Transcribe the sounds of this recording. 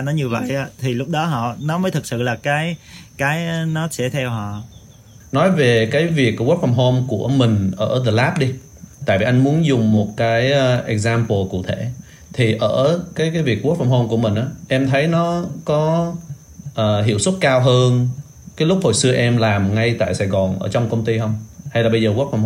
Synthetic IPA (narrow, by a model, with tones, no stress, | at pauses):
nɔ˨˦ɲɨ˧əvə̰˧˨jʔa˨˦t̪ʰi˨˩lʊ˦˥k͡p̚ɗɔ˨˦ɦɔ̰˧˨nɔ˨˦məː˨˦jt̪ʰɨ˨˩t̚sɨ̰˧˨laː˨˩kaː˨˦jkaː˨˦jnɔ˨˦sɛ˧˩t̪ʰɛ˧wɦɔ̰˧˨ | nɔ˨˦jve˨˩kaː˨˦jvi˨˩ək̚ɣu˦˥fa˧˩mɦo˧mku˧˩əmï˨˩ŋ̟ʔəː˧˩ðəː˧˩laː˦˥p̚ɗi˧ | t̪a̰ː˧˨jvi˨˩ʔa˧jŋ̟mu˨˦ənzʊ˨˩ŋ͡mmo˨˩t̚kaː˨˦jʔɛ˨˩k̚zaː˧mpo˨˩kṵ˧˨t̪ʰe˧˩˨ | t̪ʰi˨˩ʔəː˧˩kaː˨˦jkaː˨˦jvi˨˩ək̚wu˦˥fa˧˩mho˧mku˧˩əmï˨˩ŋ̟ʔaː˨˦ʔɛ˧mt̪ʰə˨˦jnɔ˨˦kɔ˨˦ | ʔəː˨˩ɦḭ˧˩əwswə˦˥t̚kaː˧wɦəː˧n | kaː˨˦jlʊ˦˥k͡p̚ho̰˧˨jsɨ˧əʔɛ˧mlaː˨˩mŋa˧jt̪a̰ː˧˨jsaː˧˩jɣɔ˨˩nʔəː˧˩t͡ɕɔ˧wŋ͡mkə˧wŋ͡mt̪i˧hə˧wŋ͡mha˧jlaː˨˩ɓə˧jzəː˨˩wu˦˥p̚fa˧m